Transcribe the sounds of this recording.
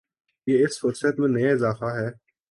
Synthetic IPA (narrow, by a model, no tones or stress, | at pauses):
jeːɪsfʊɾsət̪mẽnɐjaɪzaːfaɦɛː